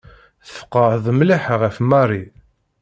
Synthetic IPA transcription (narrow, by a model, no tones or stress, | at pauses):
θə̥fqːɑhðˤmliħʁæfmɑrˤi